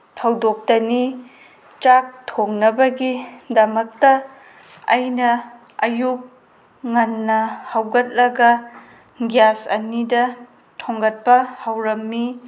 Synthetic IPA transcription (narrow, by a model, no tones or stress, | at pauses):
tʰɐwdok̚tɐni | t͡ʃak̚tʰoŋnɐbɐɡidɐmɐk̚tɐː | jnɐ | ɐjuk̚ | ŋɐnːɐhawɡɐt̚lɐɡɐ | ɡjasɐ̰nidɐ | tʰoŋɡɐt̚pɐhawɾɐmːi